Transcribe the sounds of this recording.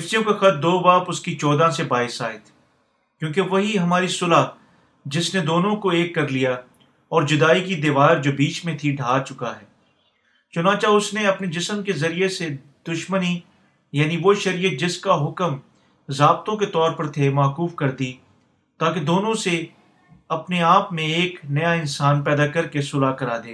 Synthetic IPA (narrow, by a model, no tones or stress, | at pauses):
ɪfsijõkaxɐt̪̚ʰd̪oːbaːpʊskit͡ʃɔːd̪ãsebaːɪsaːet̪ʰː | kjõːk̬eʋɐɦiɦɐmaːɾisʊlaː | d͡ʒɪsned̪oːnõkoeːkːɐɾlija | ɔːɾd͡ʒʊd̪aːikid̪ɪʋaːɾd͡ʒoːbiːt͡ʃmẽt̪ʰiɖʱaːt͡ʃʊkaɦɛː | t͡ʃʊnãːt͡ʃaʊsneɐpned͡ʒɪsəmkezɐɾijese | d̪̥ʊʃməni | jaːniʋoʃɐɾijət̪̚d͡ʒɪskaɦʊkəm | zaːb̚t̪õket̪ɔːɾpɐɾt̪ʰemaːkuːfkɐɾd̪i | t̪aːked̪oːnõse | ɐpneaːpmẽeːknɐjaɪnsaːnpɛːd̪akɐɾkesʊlakɐɾaːd̪eː